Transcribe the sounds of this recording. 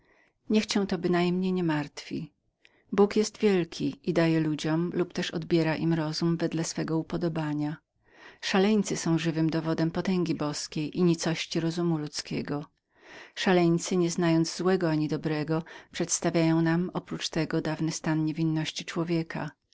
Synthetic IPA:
ɲɛxt͡ɕɛ̃w̃t̪ɔbɘnajmɲejɲɛmaɾt̪fʲi | bukjɛst̪vʲjɛlkʲʰiʔid̪ajɛlud͡ʑɔmlupt̪ɛʂɔ̰d̪bʲjɛɾaʔimɾɔzumvɛd̪lɛsfɛɡɔupɔd̪ɔbaɲa | ʂalɛɲt̪sɘsɔ̃w̃ʐɘvɘmd̪ɔvɔd̪ɛmpɔt̪ɛŋɡʲibɔskʲejʔiɲit̪sɔɕt͡ɕiɾɔzumulut̪skʲɛɡɔ | ʂalɛɲt̪sɘɲɛznajɔnd̪zzwɛɡɔaɲid̪ɔbɾɛɡɔpʂɛt̪st̪avʲajɔ̃w̃namɔpɾut͡ʂt̪ɛɡɔd̪avnɘst̪anɲevʲinːɔɕt͡ɕit͡ʂwɔvʲjɛkʰa̰

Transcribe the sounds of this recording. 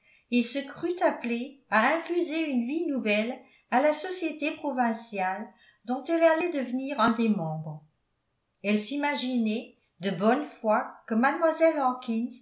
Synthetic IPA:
ilsəkχyt̪apleaɛ̃fyzeynvinuvɛl | alasɔsjet̪epχɔvɛ̃sjal | d̪ɔ̃t̪ɛlalɛd̪əvəniːʁɛ̃d̪emɑ̃bʁ | ɛlsimaʒinɛ | d̪əbɔnfwakəmad̪mwazɛlɑ̃kʰʲinz

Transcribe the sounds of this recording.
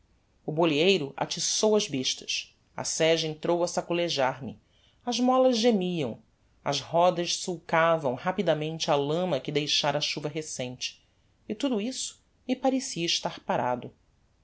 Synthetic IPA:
ʊboliejɾʊʔa̰t͡ʃisowɐzbiʃt̪ɐ̥ʃ | ɐ̰sɛʒɐẽnt̪ɾowɐsakuleʒaɾmɪ | ɐzmɔlɐzʒemiɐ̰̃w̃ | ɐ̰zhɔd̪ɐʃsuwkavɐ̃w̃hapid̪amẽnt͡ʃɪalɐ̃mɐkɪd̪ejʃaɾɐːʃuvɐɦesẽj̃t͡ʃɪ̥ː | t̪ud̪uisʊ̥ | mipaɾesiɐiʃt̪aɾpaɾa̰d̪ʊ

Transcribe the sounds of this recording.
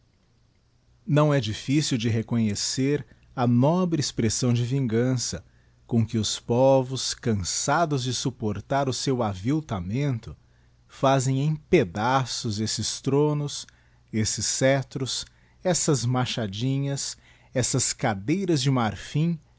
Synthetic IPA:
nɐ̃w̃ɛd͡ʒifisiwd͡ʒɪɦekõɲeseɾ | ɐnɔbɾɪespɾesɐ̃w̃d͡ʒɪvĩŋɡɐ̃sɐ | kõkɪʊspɔvʊskɐ̃sad̪ʊzd͡ʒɪsupoɾt̪aɾʊsewaviwt̪amẽnt̪ʊ | fazẽj̃ẽj̃ped̪asʊzesɪst̪ɾõnʊs | esɪsːɛt̪ɾʊs | ɛsɐzmaʃad͡ʒĩɲɐs | ɛsɐskad̪ejɾɐzd͡ʒɪmaɾfĩ

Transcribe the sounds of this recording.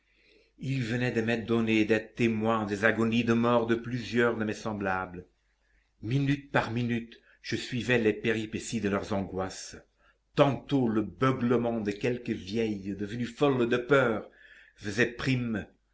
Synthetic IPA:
ilvənɛd̪əmɛd̪ɔned̪ɛt̪emwɛ̃d̪ezaɡɔnid̪əmɔʁd̪əplyzjœʁd̪əmɛsɑ̃blablə | minyt̪̚paʁminyt̪ | ʒ̥əsɥivɛlɛpeʁipesid̪əlœʁzɑ̃ɡwas | t̪ɑ̃t̪oləbœɡləmɑ̃d̪əkʲɛlkəvjɛjd̪əvənyfɔld̪əpœːʁ | fəzɛpχim

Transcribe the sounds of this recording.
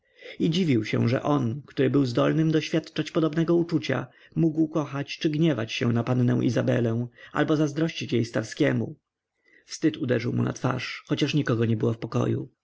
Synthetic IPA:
id͡ʑivʲiwɕɛ̰̃ʐɛ̰ʔɔnkt̪uɾɘbɘwzd̪ɔlnɘmd̪ɔɕfʲjat̪t͡ʂat͡ɕpɔd̪ɔbnɛɡɔut͡ʂut͡ɕa̰ | muɡwkɔxat͡ɕt͡ʂɘɡɲɛvat͡ɕɕɛ̰w̃napanːɛ̰w̃ʔḭzabɛ̰lɛ̃w̃ʔa̰lbɔzazd̪ɾɔɕt͡ɕit͡ɕjejst̪aɾskʲɛmṵ | fst̪ɘt̪ud̪ɛʐɘwmṵna̰t̪fa̰ʂxɔt͡ɕaʂɲikɔɡɔɲɛbɘwɔfpɔkɔ̰jṵ

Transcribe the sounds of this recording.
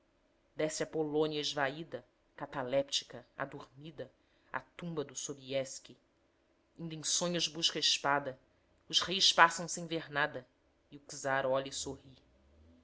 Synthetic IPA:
d̪ɛsɪɐpolõniɐɪʒvaid̪ɐ | kat̪alɛpt͡ʃi̥kɐa̰d̪uɾmid̪ɐ | a̰t̪ũbɐd̪ʊsobiɛski | ĩnd̪ẽsõɲʊzbuʃkɐɪʃpad̪ɐ | ʊzhejspasɐ̃w̃sẽj̃veɾnad̪ɐ | iʊkzaɾɔlisohi

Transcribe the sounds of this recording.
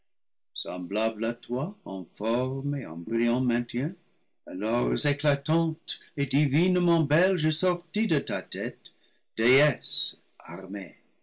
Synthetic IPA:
sɑ̰̃blablatwaɑ̰̃fɔʁmeɑ̰̃briɑ̃mɛ̃t̪jɛ̃ | alɔʁzeklatɑ̃tedivinəmɑ̃bɛlʒəsɔʁtidətatɛt | d̥eɛs | a̰ʁme

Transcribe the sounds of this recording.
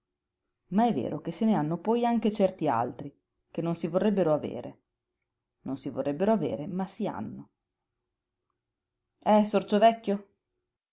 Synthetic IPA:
maɛvːḛːɾok̟esːeneanːopɔjaŋk̟et͡ʃɛrt̪ia̰lt̪ɾi | k̟enːonsivorːɛbːeɾoavḛːɾʔḛ | nonsivo̰rːɛbːeɾoavḛːɾemasia̰nːo | ɛsort͡ʃovɛkːo

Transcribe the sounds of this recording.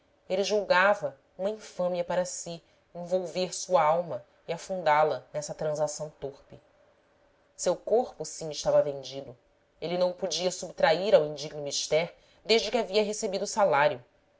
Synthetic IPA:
eliʒuwɡavɐ | ũmɐĩfɐ̃miɐpaɾɐsi | ẽvowveɾsuɐawmɐ | iafũnd̪alɐnɛsɐt̪ɾɐ̃zasɐ̃w̃t̪oɾpɪ | sewkoɾpʊsĩɪʃt̪avɐvẽnd͡ʒid̪ʊ | elinɐ̃w̃ʊpud͡ʒiɐsubt̪ɾaiɾawĩd͡ʒiɡnʊmiʃt̪ɛɾ | d̪eʒd͡ʒɪkʲɪaviɐɦesebid̪ʊsalaɾjʊ

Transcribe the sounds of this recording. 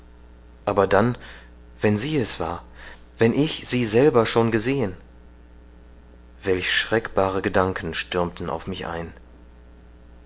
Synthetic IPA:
ʔaːbɐdan | vɛnziːɛsv̥a̰ːɐ | vɛnʔɪçz̥iːzɛlbɐʃoːnɡəzeːən | v̥ɛlçʃʁ̥ɛkb̥aːʁ̞əɡədaŋkʰn̩ʃtʏɐmtn̩a̰ʊfmɪçʔa̰ɪn

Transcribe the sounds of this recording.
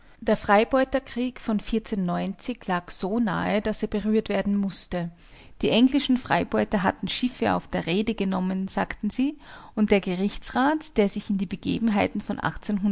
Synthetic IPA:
d̥eːɐfʁ̥aɪbɔʏtɐkʁ̥iːkfɔnfɪɐt͡senːɔʏnt͡sɪçlaːkz̥oːna̰ːəd̥aseːɐbəʁyːɐtv̥eːɐdn̩mʊstə | d̥iːʔɛŋlɪʃn̩fʁ̥a̰ɪbɔʏtɐɦatn̩ʃɪfəʔa̰ʊfd̥eːɐʁeːdəɡənɔmənz̥aːktn̩ziːʊnt̚d̥eːɐɡəʁɪçt͡sʁ̥aːtd̥eːɐzɪçɪndiːbəɡ̥ḛːbm̩ɦaɪtn̩fɔnʔa̰χt͡senɦʊn

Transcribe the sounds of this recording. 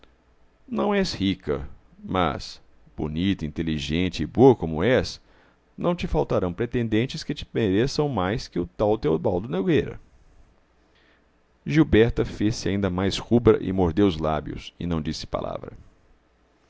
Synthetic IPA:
nɐ̃w̃ɛshikɐ̰ | mɐ̰s | b̥o̰nit̪ʊĩnt̪eliʒẽnt͡ʃɪɪboɐkõmʊɛs | nɐ̃w̃t͡ʃɪfawt̪aɾɐ̃w̃pɾet̪ẽnd̪ẽnt͡ʃɪskɪt͡ʃɪ̥peɾesɐ̃w̃majskɪʊt̪awt̪ewbawd̪ʊneɡejɾɐ̰ | ʒiwbɛɾt̪ɐfesɪa̰ĩnd̪ɐmajshubɾɐ̰ʔɪ̰moɾd̪eʊzlabjʊ̰sɪ̰nɐ̃w̃d͡ʒisɪ̥pa̰lʔa̰vɾɐ̰

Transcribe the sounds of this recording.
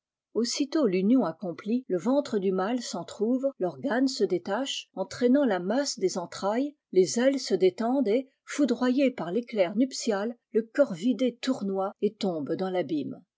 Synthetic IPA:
osit̪olynjɔ̃akɔ̃pliləvɑ̃t̪χəd̪ymalsɑ̃t̪χuvlɔʁɡansəd̪et̪aʃɑ̃t̪χɛnɑ̃lamasd̪ezɑ̃t̪χaj | lezɛlsəd̪et̪ɑ̃d̪e | fud̪ʁwajepaʁleklɛʁnypsjalːəkɔʁvid̪et̪uʁnwaet̪ɔ̃bd̪ɑ̃labim

